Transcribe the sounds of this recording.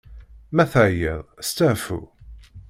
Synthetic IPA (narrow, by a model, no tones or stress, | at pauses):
mæθæjeðˤst̪æfṵ